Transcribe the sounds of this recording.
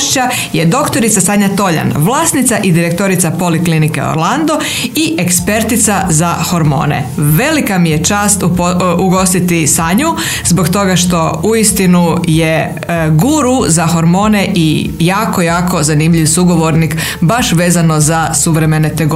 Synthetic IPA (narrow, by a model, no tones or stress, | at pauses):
ʃt͡ɕa | je̞d̪o̞kt̪o̞ɾit̪sasaɲat̪o̞ʎa̰nʋlˠaːsnit̪saʔid̪iɾek̚t̪o̞ɾit̪sapo̞liklinike̞̰o̰ɾland̪o | iʔekspe̞ɾt̪it̪sazaho̞ɾmo̞̰ːnḛʋe̞likamije̞t͡ʃaːst̪uɡo̞st̪it̪isaɲu | zbo̞kt̪o̞ɡaʃt̪o̞uist̪inuje | ɡuɾuzaxo̞ɾmo̞ːne̞ʔi | jaːko̞jaːko̞zanimʎiʋsuɡo̞ʋo̞ɾnik | baʃʋe̞ːzano̞zasuʋɾe̞me̞net̪eɡo